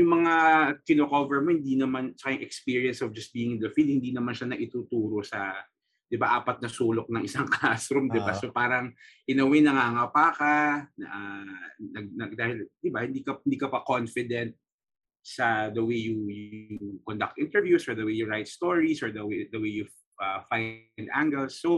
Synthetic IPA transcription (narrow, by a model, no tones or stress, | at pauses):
jʊŋmɐŋakɪnokovɛɹmohɪ̃nd̪inɐmant͡ʃɐ̥kajʊŋʔɛkspiːɹiɐnsɔvd͡ʒɐst̪̚biːɪŋɪnd̪ɐfid̪̚hɪnd̪inɐmanʃanɐʔɪt̪uːt̪uːɾo̞sɐ | d̪̥ɪbaʔaːpɐt̪̚nɐsuːlok̚nɐŋʔɪsaŋklasɾumd̪ɪbasopaːɾɐŋʔɪnɐwɛnɐŋaːŋapaːkanɐ̰ʔanɐɡ̚nɐɡ̚d̪aːhɪld̪ɪbahɪnd̪ikɐnd̪iːkɐpɐkonfɪd̪ɛnt̪̚ | sɐd̪ɐwejjujukond̪ɐk̚t̪ʔɪnt̪ɛɹvjusɔɹd̪ɐwejuɹajt̪̚st̪oɹisɔɹd̪ɐwed̪ɐwejju | ʔɐfajnd̪ʔaŋɡɛlsːo